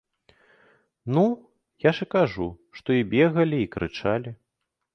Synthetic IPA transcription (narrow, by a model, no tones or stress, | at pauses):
nu | jaʂɨkaʐuʂt̪ɔibʲɛɣɐlʲiːkɾʔɨ̰t͡ʂalʲi